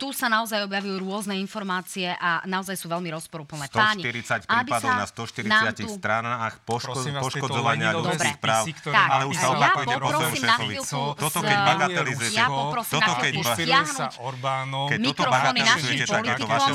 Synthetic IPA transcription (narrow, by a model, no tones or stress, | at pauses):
t̪usanaɔzajɔbjaʋijuɾʊɔznɛinfɔɾmaːt͡siɛʔanaɔzajsuːʋɛlmiɾɔspɔɾupl̩nɛːt̪aːʃɲit̪iɾit͡sacpɾaiːbipd̪ɔanast̪ɔʃt̪iɾinaːɪatiuxst̪ɾanaxpɔʃpɔʃkɔd͡zɔʋaɲɪaluud̪t͡sbixpɾaːwt̪aalɛuʃsaɔbaakupɛɔɾɔɔmiːmɛaɔʋiilsut̪ɔt̪ɔkɛbaɡat̪ɛlizujɛjapɔpɾɔsiːɔat̪ɔkɛaɦnuɔɾankɛmiɔkt̪ɔɔbaɡanɛlniazujɛiɛp̪aliɛt̪iɔaɔm